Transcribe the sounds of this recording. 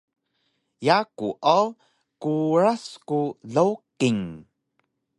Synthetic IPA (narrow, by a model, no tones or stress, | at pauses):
jakuʔaw | kuɾaskuɮawkiŋ